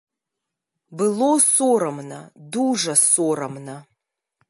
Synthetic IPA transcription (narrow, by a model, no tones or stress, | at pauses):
bɨlosoːɾɐmna̰duːʐɐsoːrɐmnɐ